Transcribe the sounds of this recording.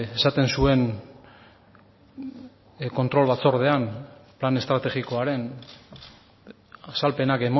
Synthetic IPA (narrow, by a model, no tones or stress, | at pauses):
esat̪e̞nsue̞n | ko̞nt̪ɾo̞lβat͡so̞ɾðe̞amplane̞st̪ɾat̪e̞ɣiko̞aɾe̞n | asalpe̞nake̞mo